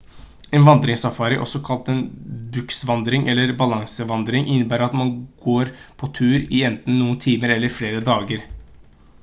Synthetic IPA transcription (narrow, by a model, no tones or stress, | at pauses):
eːnʋɑnd̪ɾɪŋsɑfɑːɾəʔɔ̰sɔkʰɑlt̪ɛnbʉksʋɑnd̪ɾɪŋʔɛlːəɾbɑlɑŋsəʋɑnd̪ɾɪŋʔɪnːəbæːɾɑt̪mɑnɡ̥oːɾpʰɔt̪ʰʉːɾɪɛnt̪n̩ːuːənt̪ʰiːməɾɛlːəɾfleːɾəd̪ɑːɡəɾ